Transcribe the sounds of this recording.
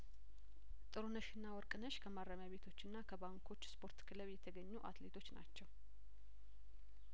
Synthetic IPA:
t̪ʼɨɾunəʃɨnːawɔɾkʼɨnəʃkʰəmaɾːamjaβe̞t̪ʰo̞t͡ʃːɨnːakʰəbaŋkʰo̞t͡ʃːspʰo̞ɾt̪kʰɨləβjɛt̪ʰəɡəɲːuʔa̰t̪let̪ʰo̞t͡ʃːna̰t͡ʃːɛw

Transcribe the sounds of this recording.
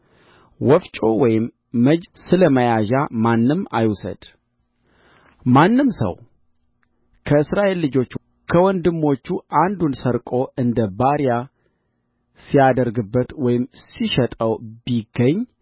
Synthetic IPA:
wɔft͡ʃʼo̞wɔjɪmː | əd͡ʒsɨləməjaʒamanːɨma̰jusə̰d̪̥ | manːɨmsə̰w | kʰəɨsɾaʔe̞lːɨd͡ʒo̞t͡ʃː | kʰəwɔnd̪ɨmːo̞t͡ʃːuʔand̪unsəɾkʼo̞ʔɨnd̪əbaɾija | sijad̪əɾɡɨbːət̪wɔjɪmsiʃɛt̪ʼəwbiɡəɲː

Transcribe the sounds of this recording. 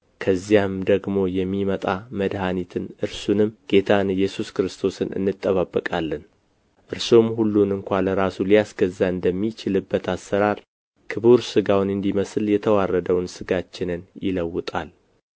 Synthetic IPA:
kʰəzːijamd̪əɡmo̞jɛmːimət̪ʼaməd̪hanit̪ʰɨnʔɨɾsunɨmɡ̥e̞t̪ʰanjɛsuskɾɨst̪ʰo̞sɨnɨ̰nːɨt̪ʼːəβabːəkʼalːɨn | ʔɨɾsomhulːunɨŋkʷaləɾasulijasɡəzːaɨnd̪əmːit͡ʃɪlɨbːət̪ʰasːəɾaɾ | kʰɨβuɾsɨɡawnɨnd̪iməsljɛt̪ʰəwarːəd̪əwnsɨɡat͡ʃːɪnɨnjɪ̰ləwːɨt̪ʼa̰l

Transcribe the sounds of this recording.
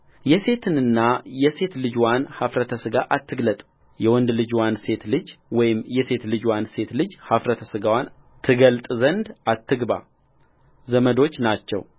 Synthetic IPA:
jɛse̞t̪ʰɨnɨnːajɛse̞t̪lɨd͡ʒwanhafɾət̪ʰəsɨɡaʔat̪ːɨɡlət̪ʼ | jɛwɔnd̪lɨd͡ʒwanse̞t̪lɨd͡ʒwɔjɪmjɛse̞t̪lɨd͡ʒwanse̞t̪lɨd͡ʒhafɾət̪ʰəsɨɡawan | t̪ʰɨɡəlt̪ʼzənd̪at̪ʰːɨɡba̰ | zəməd̪o̞t͡ʃːnat͡ʃːɛ̰w

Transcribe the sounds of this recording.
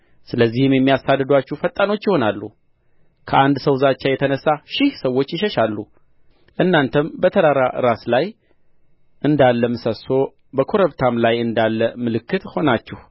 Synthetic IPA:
sɨləzːihɨmjɛmːijasad̪ːɨd̪at͡ʃːɛhfət̪ʼːano̞t͡ʃːjɪho̞nalːu | kʰəʔand̪səwzat͡ʃːajɛt̪ʰənəsːaʃɪhsəwːo̞t͡ʃːjɪʃɛʃalːu | ʔɨnːant̪ʰəmbət̪ʰəɾaɾaʔɨ̰ɾaslaj | ʔɨnd̪alːəmɨsəso̞ | bəkʰo̞ɾəβt̪ʰamlajɨnd̪alːəmɨlɨkːɨt̪ho̞nat͡ʃːɛhu

